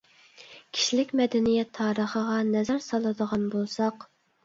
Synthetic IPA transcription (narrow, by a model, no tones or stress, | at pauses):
kʲʰi̥ʃilɪkʲmɛd̪ɛnijɛt̪ʰːɑːɾəχəʁɑnɛzæɾsɑlˠɨd̪əʁɑnbolˠsɑq